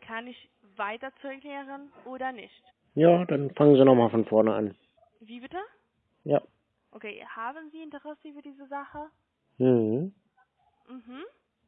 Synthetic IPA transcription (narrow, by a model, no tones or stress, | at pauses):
kʰanɪç | vaɪtɐt͡suʁʏklɛːʁənʔoːdɐnɪçt | jaːd̥anfaŋənzinɔχmaːlfɔnfɔɐnəa̰n | viːbɪtə | jaː | ʔokʰeːhaːbənziːɪntəʁɛsəfyːɐdiːzəzaχə | m̩hm̩ | m̩hm̩